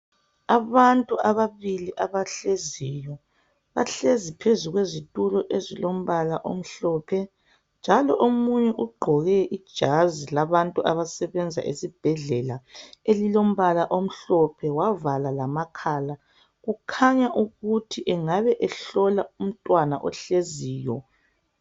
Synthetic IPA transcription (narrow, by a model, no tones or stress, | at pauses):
aβantʼuaβaβiliʔaβaɬezijɔ | βa̰ɬezipʰezuɣwezitʼulɔʔezilom̩βalaʔo̰m̩ɬɔːpʰɛ | nd͡ʒʱalɔʔomuɲɛʔuɡ͡ǃʱɔɣɛʔid̥ʒ̥ʱazilaβantʼuaβasɛβɛnd͡zʱa̰ʔesib̥ʱɛɮɛlaelilom̩βalaʔom̩ɬɔpʰɛwavalalamakʰaːla | ɣukʰaɲaʔuɣutʰiʔɛŋaβɛʔɛɬɔlaum̩tʼwanaʔɔ̰ɬeziːjɔ